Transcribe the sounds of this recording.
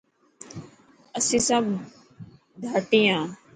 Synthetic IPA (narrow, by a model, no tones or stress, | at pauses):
əsĩːsãːb | d̪ʱaːʈĩːãː